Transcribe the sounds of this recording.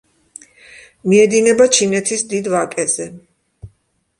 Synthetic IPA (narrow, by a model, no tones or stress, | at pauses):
miɛd̪inɛbat͡ʃʰinɛt̪ʰisd̪id̪vakʼɛzɛ